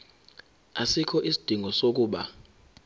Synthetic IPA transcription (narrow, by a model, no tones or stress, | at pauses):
asikʰɔʔisid̥ʱiŋʱɔsok̬ʼuːɓa